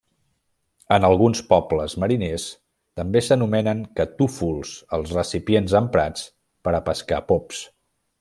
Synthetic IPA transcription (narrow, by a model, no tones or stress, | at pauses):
ənəlˠɣunspɔpləzməɾines | t̪əmbesənumɛnəŋkət̪ufulˠzəlˠzrəsipienzəmpɾat͡s | pəɾəpəska̰pɔps